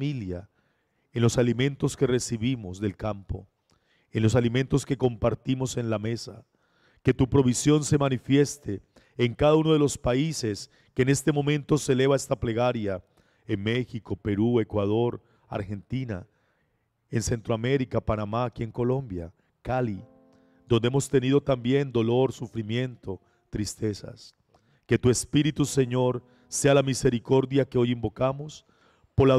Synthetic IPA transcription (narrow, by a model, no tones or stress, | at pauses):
milja | enlo̞salimẽ̞nt̪o̞ske̞re̞siβimo̞zðe̞lkampo̞̰ | enlo̞salimẽ̞nt̪o̞ske̞ko̞mpaɾt̪imo̞se̞nlame̞sa | ke̞t̪upɾo̞βisjo̞nse̞manifje̞st̪e̞ː | ŋkaðauno̞ð̞elo̞spaise̞s | ke̞ːne̞st̪e̞mo̞mẽ̞nt̪o̞se̞le̞β̞aest̪aple̞ɣaɾja | enme̞xiko̞pe̞ɾue̞kwað̞o̞ɾ | a̰ɾxe̞nt̪ina̰ | e̞nse̞nt̪ɾoame̞ɾikapanamaːkie̞ŋko̞lo̞mbja̰ | kali | d̪o̞nd̪eemo̞st̪e̞nið̞o̞t̪ambje̞nd̪o̞lo̞ɾsufɾimje̞nt̪o̞ | t̪ɾist̪e̞sa̰s | ke̞t̪ue̞spiɾit̪use̞ɲo̞ɾ | se̞alamise̞ɾiko̞ɾðjake̞o̞jimbo̞kamo̞s | po̞ɾla